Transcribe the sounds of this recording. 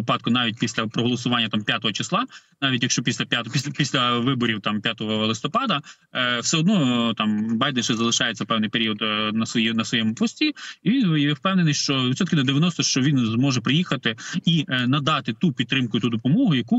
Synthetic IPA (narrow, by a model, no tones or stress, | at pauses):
ɪpɑd̪̚kʊnɑʋʲit̚ʲpʲisʲlʲɐpɾɔɦɔlˠɔsʊʋɑnʲːɐt̪ɑmpʲjat̪ɔɦɔt͡ʃɪslˠɑnɑʋʲit̬ʲjɐkʃt͡ʃɔpʲisʲlʲɐpʲat̪pʲipʲisʲlʲɐʋɪbɔɾʲiwt̪ɑmpʲjat̪ɔɦɔlˠɪst̪ɔpɑd̪ɐ | wsɛɔd̪nɔt̪ɑmbɑjd̪ɛnʃɛzɐlˠɪʃɑjet͡sʲɐpɛwnɪjpeɾʲiɔd̪nɐsjɛnɐsʋɔjɛmʊpɔsʲtʲiiʋʲinjjɛwpɛwnenɪjʃt͡ʃɔʋɪt̪sʲɔt̪kʲɪnɐd̪eʋʲjɐnɔst̪ɔʃt͡ʃɔʋʲinzmɔʒɛpɾɪjixɐt̪ɪinɐd̪ɑt̪ɪt̪upʲid̪̚ɾɪmkʊt̪ud̪ɔpɔmɔɦʊjɐku